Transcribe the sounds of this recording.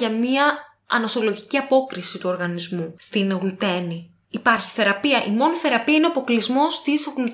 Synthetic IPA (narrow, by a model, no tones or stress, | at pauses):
ɐmiɐ | ɐ̰no̞so̞lo̞ʝiciɐpo̞kɾisit̪uo̞ɾɣɐnizmust̪inɣlut̪e̞ni | ipɐɾçi̥θe̞ɾɐpiɐʔimo̞niθe̞ɾɐpiɐineɐpo̞klizmo̞st̪isoɣlut̪